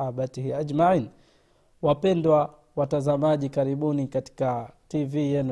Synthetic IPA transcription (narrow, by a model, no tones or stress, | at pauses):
abatihiaʄmaʕini | wapɛndwa | watazamaʄikaɾiɓunikati̥kativijɛn